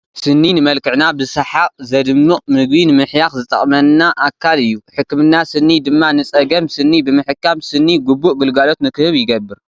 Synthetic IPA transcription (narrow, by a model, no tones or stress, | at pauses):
sɨnːinɨmɐlkʰɨʕnabɨsaħakʼzɐd̪ɨmːɨmɨɡ̚binɨmɨħjaxzɨt̪ʼɐχʼmɐnːaʔakʰːalɨjːuħɨkːmɨnːasɨnːid̪ɨmːanɨsʼɐɡɐmsɨnːibɨmɨħɨkːamsɨnːiɡubuʔɡɨlɡalo̞t̪nɨkʰɨhɨβjɪɡɐbːɨɾ